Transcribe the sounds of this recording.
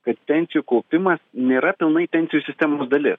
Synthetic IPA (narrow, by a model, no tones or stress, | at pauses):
kɐt̪pʲɛnʲtsʲɪjukɐʊpʲɪmɐsnʲeːɾɐpʲɪlˠnɐɪpʲɛnʲsʲɪjuːsʲɪsʲt̪ʲɛmoːsd̪ɐlʲɪs